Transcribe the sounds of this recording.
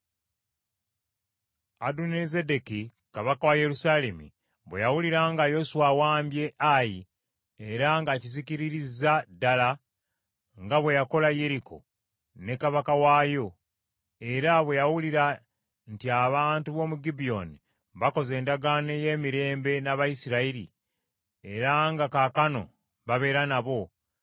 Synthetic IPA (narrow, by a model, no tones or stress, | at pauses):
adunezedeki | kaβakawaje̞ɾusale̞mḭ | βwḛjawuliɾaŋɡajo̞suwawaːmbje̞ʔaji | eɾaŋɡaciziciɾiɾizadala | ŋɡaβwe̞jako̞laje̞ɾikʰo̞̰ | ne̞kaβakawaːjo̞ | e̞ɾaβwe̞jawuliɾa | ntiaβaːntuβo̞muɡibio̞ni | βako̞ze̞ːndaɡane̞je̞ːmiɾe̞ːmbe̞naβajisiɾaiɾḭ | eɾaŋɡakakano̞ | βaβe̞ːɾanaβo̞